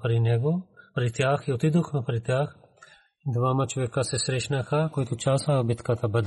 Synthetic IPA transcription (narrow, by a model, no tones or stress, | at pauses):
pɾinɛɡopɾit̪jaxiot̪id̪oxmɛpɾit̪ʲjax | d̪vamat͡ʃovɛkasɛsɾɛʃnaxɐkoit̪ot͡ʃasabit̪kat̪abəd̪